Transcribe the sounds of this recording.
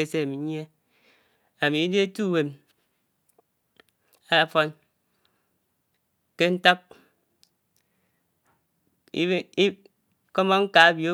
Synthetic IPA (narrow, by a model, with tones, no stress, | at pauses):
e˦se˦a˨mi˨˦ɲ˦e˦ | a˨mi˨i˦de˦e˦tu˦˨we˨m | a˦˨fɔ˦n | ke˦n̩˦ta˦p̚ | kɔ˦mɔ˦ŋ̩˦ka˨a˦bjo˦